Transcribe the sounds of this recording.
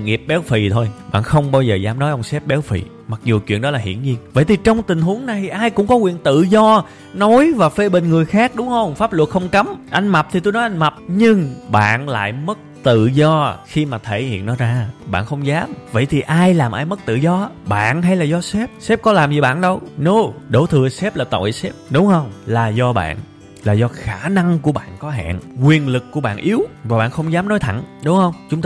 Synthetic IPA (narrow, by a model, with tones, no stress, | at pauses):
ŋi˨˩əp̚ɓɛ˨˦wfi˨˩t̪ʰo˧jɓa̰ː˧˨nxə˧wŋ͡mɓaː˧wzəː˨˩zaː˨˦mnɔ˨˦jʔə˧wŋ͡msɛ˦˥p̚ɓɛ˨˦wfḭ˧˨ | ma˨˩k̚zu˨˩t͡ɕwḭ˧˨nɗɔ˨˦laː˨˩ɦḭ˧˨ənɲi˧ənvə̰˧˨jt̪ʰi˨˩t͡ɕɔ˧wŋ͡mt̪ï˨˩ŋ̟ɦu˨˦əŋna˨˩jʔaː˧jkʊ̰˧˥ŋ͡mkɔ˨˦kwḭ˧˨ənt̪ɨ̰˧˨zɔ˧ | nɔ˨˦jvaː˨˩fe˧ɓï˨˩ŋ̟ŋɨ˨˩əjxaː˦˥k̚ɗʊ˨˦ŋ͡mhə˧wŋ͡mfaː˦˥p̚lu˨˩ək̚xə˧wŋ͡mka˨˦mʔa˧jŋ̟ma˨˩p̚t̪ʰi˨˩t̪o˧jnɔ˨˦jʔa˧jŋ̟ma˨˩p̚ɲɨ˧ŋɓa̰ː˧˨nla̰ː˧˨jmə˦˥k̚t̪ɨ̰˧˨zɔ˧xi˧maː˨˩t̪ʰe˧˩hḭ˧˨ənːɔ˨˦zaː˧ɓa̰ː˧˨nxə˧wŋ͡mzaː˨˦mvə̰˧˨jt̪ʰi˨˩ʔaː˧jlaː˨˩mʔaː˧jmə˦˥k̚t̪ɨ̰˧˨zɔ˧˦ɓa̰ː˧˨nɦa˧jlaː˨˩zɔ˧sɛ˦˥p̚sɛ˦˥p̚kɔ˨˦laː˨˩mzi˨˩ɓa̰ː˧˨nɗə˧wno˨˦ɗo˧˩t̪ʰɨ˨˩əsɛ˦˥p̚laː˨˩t̪o̰˧˨jsɛ˦˥p̚ɗʊ˨˦wŋ͡mhə˧wŋ͡mlaː˨˩zɔ˧ɓa̰ː˧˨n | laː˨˩zɔ˧xaː˧˩na˧ŋku˧˩əɓa̰ː˧˨nkɔ˨˦ɦa̰ː˧˨nkwi˨˩ənlɨ˨˩kkːu˧˩əɓa̰ː˧˨nʔi˨˦əwvaː˨˩ɓa̰ː˧˨nxə˧wŋ͡mzaː˨˦mnɔ˨˦jt̪ʰa˧˩ŋɗʊ˨˦ŋ͡mhə˧wŋ͡mt͡ɕʊ˨˦ŋ͡mt̪